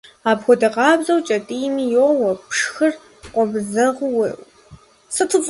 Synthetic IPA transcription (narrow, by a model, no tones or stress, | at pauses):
aːbxʷɔdɐqɑːbzɐwt͡ʃʼɐtʼiːnijowɐpʂxɨr | qʷʼɔbzɐʁʊwew | sɨtʰɨz